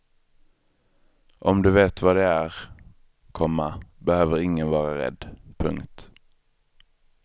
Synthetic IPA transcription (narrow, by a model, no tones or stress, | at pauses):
ʔɔmd̪ɵveːt̪vɑːd̪ɛæɾ | kʰɔmːabɛhøːvəɾɪŋːənvɑːɾaɾɛ̰d̪ːpʰɵ̰ŋkt̪